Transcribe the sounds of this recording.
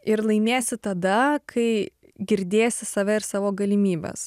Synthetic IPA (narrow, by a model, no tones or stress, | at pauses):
ɪɾlˠɐɪnʲeːsʲɪt̪ɐd̪ɐkʰɐɪ | ɡʲɪɾʲd̪ʲeːjsʲɪsɐːʋʲɛɪɾsɑːʋoːɡɐlʲɪmʲiːbʲɛ̰s